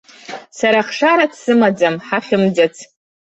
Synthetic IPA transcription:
saɾaχʂaɾadʰsɨmad͡zamħaχʲɪmd͡zat͡sʰ

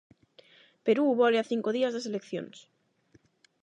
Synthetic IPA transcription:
peɾuβoleaθiŋkoðiazðeselekθjo̰ns

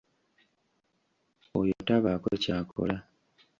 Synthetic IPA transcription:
ojotaβakocaːkʰo̰la

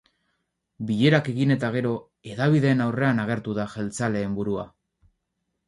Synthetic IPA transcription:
biʎe̞ɾake̞ɣine̞t̪aɣ̞e̞ɾo̞ | e̞ðaβ̞iðe̞ːnawre̞anaɣ̞e̞ɾt̪uðaʝe̞lt͡sale̞ːmbuɾua̰

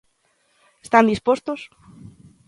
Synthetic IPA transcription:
est̪and̪ispost̪os

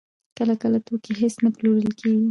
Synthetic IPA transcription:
kəlakəlat̪okeɦesnaploɾəlkʰeɡi

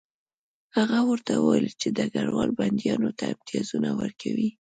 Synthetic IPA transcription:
haɣawəɾt̪awəwalit͡ʃed̪aɡaɽwɑlband̪jɑnot̪aɪmt̪ijɑzunawəɾkʰawi

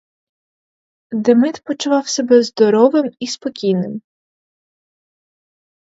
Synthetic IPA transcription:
d̪emɪt̪pɔt͡ʃʊʋɑwsʲɛbɛzd̪ɔɾɔʋɪmispɔkʲijnɪm

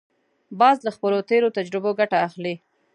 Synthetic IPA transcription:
bɑzlaxpəlot̪eɾot̪ad͡ʒɾɪboɡaʈaːxli

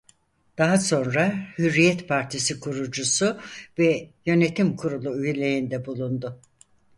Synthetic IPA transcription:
d̪̥aɦaso̞nɾahyɾːijɛt̪pʰaɾt̪ʰisikʰuɾud͡ʒusuvɛjø̞ne̞t̪ʰimkʰuɾulˠuyjelʲejind̪ɛbulˠund̪ʊ

